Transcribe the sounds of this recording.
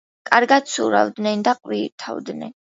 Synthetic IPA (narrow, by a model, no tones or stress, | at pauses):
kʼaɾɡat̪suɾa̰vd̪nɛnd̪aqʼwit̪ʰa̰vd̪nɛ̰n